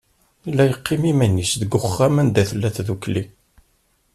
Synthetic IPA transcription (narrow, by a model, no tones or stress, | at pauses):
ilːæjəqʰːɪmimænisðəɡʊχːæmənd̪æθəlːæθðukli